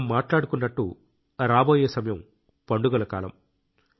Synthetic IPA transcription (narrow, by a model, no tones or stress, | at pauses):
mːaːʈlaːɽukunːɐʈːṵ | ɾaːboːjeːsɐmɐjɐm | pɐɳɖuɡɐlɐka̰ːlɐ̰m